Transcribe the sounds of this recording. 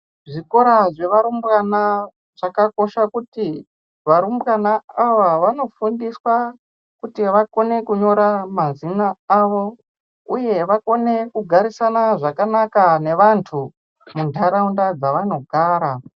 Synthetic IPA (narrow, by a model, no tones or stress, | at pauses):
ʐiko̞ɾaʐe̞ʋaɾumbwana | ʐ̥akako̞ʃakuti | ʋaɾumbwanaaʋaʋano̞fundiswa | kutiʋako̞ne̞kuɲo̞ɾamazinaːʋo̞ | uje̞ʋako̞ne̞kuɡʱaɾisanaʐakanakane̞ʋantʰu | mundʱaɾaundad͡zaʋano̞ɡʱaːɾa